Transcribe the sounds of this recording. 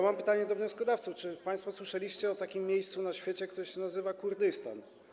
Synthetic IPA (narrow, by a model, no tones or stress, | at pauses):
mampɘt̪aɲɛd̪ɔvɲɔ̃skɔd̪aft̪suft͡ʂɘpaj̃st̪fɔswɘʂɛlʲiɕt͡ɕɛɔt̪akʲimːjejst̪sunaɕfʲjet͡ɕɛkt̪uɾɘɕɛnazɘvakuɾd̪ɘst̪a̰n